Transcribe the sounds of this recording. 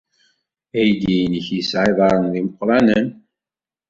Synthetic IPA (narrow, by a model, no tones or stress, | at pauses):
æjd̪ijnəçjəsʕiðˤɑɾˤənðiməqːɾˤɑnən